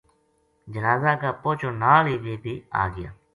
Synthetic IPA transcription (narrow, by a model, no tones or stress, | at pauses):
d͡ʒənaːzãːkaːpoːt͡ʃʰoːnaːliːʋeːbʱiːa̰ːɡɪja̰ː